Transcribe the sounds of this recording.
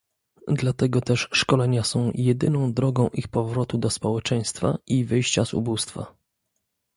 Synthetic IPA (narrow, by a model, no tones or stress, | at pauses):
d̪lat̪ɛɡɔt̪ɛʂʂkɔlɛɲasɔ̃w̃jɛd̪ɘnɔ̃w̃d̪ɾɔɡɔ̃w̃ʔixpɔvɾɔt̪ud̪ɔspɔwɛt͡ʂɛj̃st̪faʔivɘjɕt͡ɕazṵbust̪fa̰